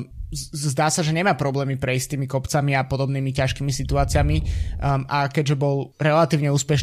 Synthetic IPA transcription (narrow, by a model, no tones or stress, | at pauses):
zd̪aːsaʒɛɲɛmaːpɾɔblɛːmipɾɛist̪iːmikɔpt͡samiapɔd̪ɔbniːmicaʃkiːmisit̪uaːt͡sɪami | akɛɟʒɛbɔlɾɛlat̪iːʊɲɛuːspɛʃ